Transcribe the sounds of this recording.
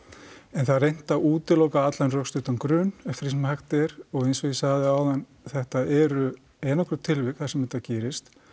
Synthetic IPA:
ɛnθaðrejn̥t̪auːt̪ɪlɔwkaat̪lajnrœkst̪ʏht̪ankɾʏːnɛft̪ɪɾisɛmhaxt̪ɛɾɔɣejnsɔisaːðɪaːwðan | θɛht̪aɛɾʏ | ɛːnɔhkɾʏɾt̪ʰɪlvɪkθasɛmɛt̪ːacɛːɾɪst̪

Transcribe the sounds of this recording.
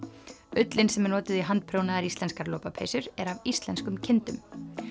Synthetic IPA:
ʏt̪lɪnsɛmɛɾnɔːt̪ɪðiɦant̪̚pʰɾownaðaɾist̪ɛnskaɾloːwpapʰḛjsʏɾɛɾavist̪lɛnskʏmcʰɪnt̪ʏm

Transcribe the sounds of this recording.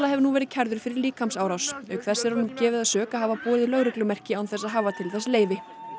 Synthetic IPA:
laɦɛvnuvɛːɾɪðcʰɛɾðʏɾ̥fɪɾɪɾliːkʰamsaːwɾawsœkʰθɛsːɛɾ̥hɔnʏmcɛːvɪðaðsœːkaɦaːvapɔːðɪlœɣɾɪklʏmɛr̥cɪawnθɛsːaðɦavat̪ʰɪlθɛsleːjvɪ

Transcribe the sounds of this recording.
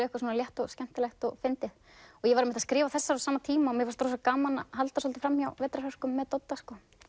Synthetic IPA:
ɪɛhkas̬uːnaljɛht̪ɔɣscɛm̥t̪ɪlɛxt̪ɔɣfɪnt̪ɪð | ɔɣjɛvaɾmɪt̪askɾɪːvaθɛsːaɾawsaːmat̪ʰiːmaɔmjɛɣvast̪ɾɔs̬akaːmana̰ɦalt̪asɔlt̪ɪfɾamːjawvɛːt̪ɾahœr̥kʏmːɛðt̪ɔt̪ːaskɔː

